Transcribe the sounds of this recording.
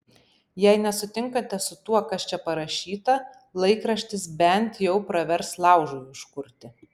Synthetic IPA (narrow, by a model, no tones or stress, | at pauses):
jɛɪnʲɛsʊt̪ʲɪŋkɐt̪ʲɛsʊt̪uɔkɐst͡ʃʲɛpɐɾɐʃʲiːt̪ɐ | lˠɐɪkɾɐʃʲt̪ʲɪsbʲɛnʲt̪ʲjɛʊpɾɐʋʲɛɾslˠɑˑʊʒʊjʊʃkʊɾʲt̪ʲɪ